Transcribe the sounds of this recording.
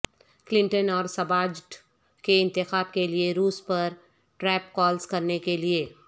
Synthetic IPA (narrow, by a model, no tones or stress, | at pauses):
klɪ̃ɳʈənɔːɾsɐbaːd͡ʒʈ | keɪ̃nt̪ɪxaːbkelieɾuːspɐɾ | ʈɾɛːp̚kɔːlskɐɾnekelieː